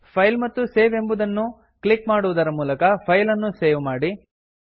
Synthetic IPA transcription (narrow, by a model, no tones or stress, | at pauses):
pʰɐjlmɐt̪ːuseːʋe̞mbud̪ɐnːu | klikmaːɽuʋud̪ɐɾɐmuːlɐkɐpʰɐjlɐnːuseːʋmaːɽi